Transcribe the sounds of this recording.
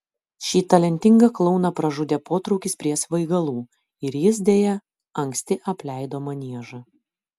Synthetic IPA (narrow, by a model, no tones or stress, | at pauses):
ʃʲiːt̪ɐlʲɛnʲt̪ʲɪŋɡɐklˠɒʊnɐpɾɐʒʊd̪ʲeːpoːt̪ɾɒʊkʲɪspʲɾʲiɛsʋɐɪɡɐlˠuː | ɪɾjɪsd̪ʲeːjɛ | ɐŋʲksʲt̪ʲɪʔɐpʲlʲɛɪd̪oːmɐnʲiɛʒɐ